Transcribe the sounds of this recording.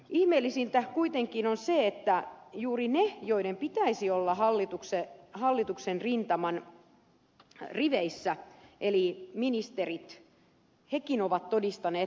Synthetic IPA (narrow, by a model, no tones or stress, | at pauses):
ihmelːisint̪æhkuit̪eŋkinonseet̪ːæjuːrinejoidempit̪æisiolːɑhɑlːit̪uksehɑlːit̪uksenrint̪ɑmɑn | riʋeisːæʔeliminist̪erit̪ | hekinoʋɑt̪todist̪ɑneː